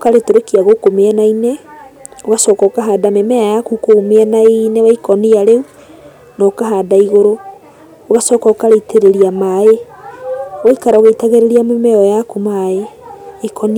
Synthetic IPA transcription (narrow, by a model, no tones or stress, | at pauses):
okaɾetoɾekiaɣokomeɛnaine | oɣasɔkɔkaɦaːdamemɛajakukomeɛnainewaikɔniaɾeu | nɔkaɦadaiɣoɾoː | ɣasɔkɔkaɾeiteɾeɾiamae | waikaɾɔoɣeitaɣeɾeɾiamemɛɔjakumaeekɔni